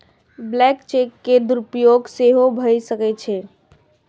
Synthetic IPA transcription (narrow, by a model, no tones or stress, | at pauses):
blɛkt͡ʃekːed̪uɾupjoɡseɦobʱəjsəkɛt͡ʃʰɛ